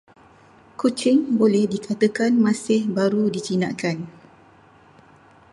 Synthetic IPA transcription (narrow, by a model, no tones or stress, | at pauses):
kut͡ʃɪŋbolɛhdikʰat̪əkanmãsɪhbaɾudit͡ʃina̰ʔkan